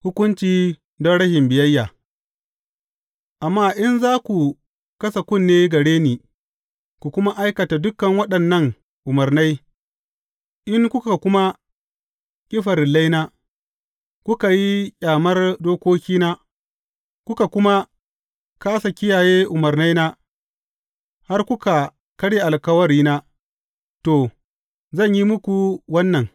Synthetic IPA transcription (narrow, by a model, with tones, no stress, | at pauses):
hʊ˦kʷʊ˦nt͡ʃiː˦ | dɔ˦ɽɐ˦hɪ˨mbɪ˨jɐ˦jːaː˨ | ʔa˨mːaː˦˨ʔɪ˦nzaː˦kʷu˨ | kɐ˦sa˨kʷʊ˦˨nːeː˦ɡɐ˨ɽeː˦niː˨ | ku˨kʷʊ˦ma˦ʔa˦jkɐ˨ta˨dʊ˦kːɐ˨ŋwɐ˦ɗɐ˨nːɐ˦˨ŋ | ʔʊ˨mɐ˨rna˦j | ʔɪ˦ŋkʷʊ˦ka˨kʷʊ˦ma˦ | kʲʼɪ˦ɸɐ˨rla˦jnaː˦ | kʷʊ˦ka˨ji˦kʲʼaː˨mɐ˦rdoː˦kʷoː˦kʲiː˦naː˦ | kʷʊ˦ka˨kʊ˦ma˦ | kaː˦sa˨kʲɪ˦jaː˨jeː˦ʔʊ˨mɐ˨ɾna˦jnaː˦ | ha˦rkʷʊ˦ka˨ | kɐ˦ɽe˨ʔa˨lkɐ˦wɐ˦ɽiː˦naː˦ | to˨ | zɐ˦˨ɲji˦mʊ˦kʷu˨wɐ˦nːɐ˨ŋ